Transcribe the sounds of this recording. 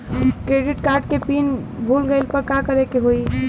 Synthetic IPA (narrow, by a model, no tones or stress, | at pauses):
kɾeɖiʈkaɾɖ̚kepin | bʱulɡəɪlpəɾkakəɾekeɦoi